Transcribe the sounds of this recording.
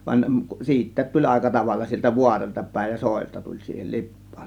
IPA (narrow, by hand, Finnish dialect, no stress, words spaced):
ʋɑn siːtˑæːt tulʲ ɑˑekɑ tɑʋɑlːɑ sieltæ ʋuɑrolʲtɑ pæˑe̝j jɑ soˑe̝ltɑ tulʲ siːhel lipˑɑ̥ːn̥